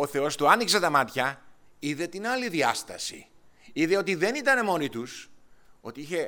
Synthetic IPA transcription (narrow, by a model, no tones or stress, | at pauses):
o̞θe̞o̞st̪uɐnikset̪ɐmɐt̪çɐ | iðe̞t̪inɐliðiɐst̪ɐsḭ | iðeo̞t̪iðe̞nit̪ɐne̞mo̞nit̪uso̞t̪iiçe̞